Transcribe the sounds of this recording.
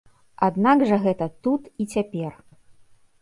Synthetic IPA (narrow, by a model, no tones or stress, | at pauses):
ad̪naɡʐɐɣɛt̪ɐt̪ut̪it͡sʲapʲɛr